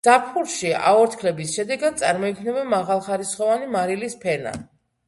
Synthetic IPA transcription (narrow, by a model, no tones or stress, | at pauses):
z̥apʰχuɾʃia̰ɔɾt̪ʰkʰlɛbisʃɛd̪ɛɡad̪̥̚t̪sʼaɾmɔikʰnɛbɛnmaʁalˠχaɾisχɔvanimaɾilispʰɛna̰